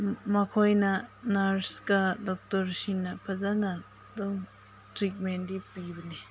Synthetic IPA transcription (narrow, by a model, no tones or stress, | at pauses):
makʰojnanaɾskadɔk̚tɔɾsinapʰazana | d̪ɔŋ | tɾik̚mend̪ipibəne